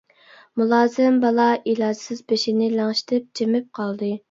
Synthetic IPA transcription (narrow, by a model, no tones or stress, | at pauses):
mulˠɑːzɪmbɑlˠɑʔilˠɑːd͡ʒ̪ɪ̥sɪzbeʃinɪlæŋʃi̥t̪ʰɪp̚t͡ʃʰemɪp̚qʰɑlˠd̪ɨ